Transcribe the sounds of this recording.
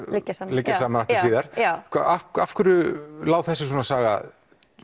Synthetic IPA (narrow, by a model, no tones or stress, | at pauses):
lɪcːasalɪcːasaːmanaft̪ɪɾviːðaɾ̥akʰaakafkʏɾʏlaːwθɛsɪs̬ɔːnasaːɣa̰